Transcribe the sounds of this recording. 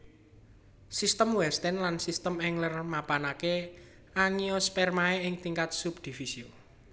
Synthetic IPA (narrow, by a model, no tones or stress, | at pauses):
sist̪əmwɛst̪ɛnlansist̪əmɛŋlərmapanake | aŋiospɛrmaeɪŋt̪iŋkat̪̚sub̚d̪̥i̤fisio